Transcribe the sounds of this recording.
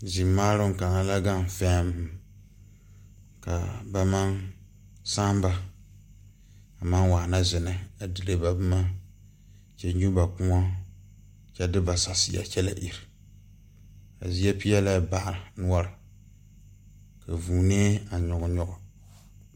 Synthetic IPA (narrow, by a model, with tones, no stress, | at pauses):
zɪ˨mːaː˦lʊ˦ŋ˨ka˨ŋa˦la˦ɡa˦m˨fɛ˦m˦ | ka̰˨ba˨ma˦n | sa˦m˦ba˦ | a˨ma˦nwaː˨na˦zɪ˨nɨ˦a˨dɨ˨lɨ˦ba˨bma˦ | t͡ʃɛ˦ɲu˦ba˨k͡pu˦ŋa˦ | t͡ʃɛ˦dɪ˦ba˨sa˨sḭ˦ja̰˨t͡ʃɛ˦la˦ʔi˨ɾɪ˨ | a̰˨zi˦ɛ˦pi˦jɛ˦la˦ba˨ʔɾɪ˨nʊ˦ɔ˦ɾ | ka˨vuː˨ne˦a˨ɲɔ˨ɡʊ˨ɲɔ˦ʔʊ˨